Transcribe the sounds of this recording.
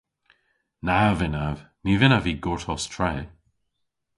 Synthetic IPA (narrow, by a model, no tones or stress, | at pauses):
navɪnav | nivɪnaviɡoɹtʰɔstʰɹɛː